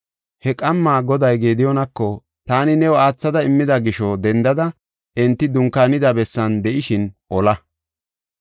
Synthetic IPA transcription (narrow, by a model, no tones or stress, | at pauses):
hɛkʼɐmːaːɡɔd̪ɐjɡe̞ːd̪ɪjɔnɐkːɔ | t̪aːnɪnɛwɔaːt͡sːɐd̪ɐɪmːɪd̪ɐɡɪʃɔd̪ɛnd̪ɐd̪ɐ | ɪnt̪ːɪd̪ʊŋkːaːnɪd̪ɐbɛsːɐnd̪ɛʔɪʃɪnʔɔlɐ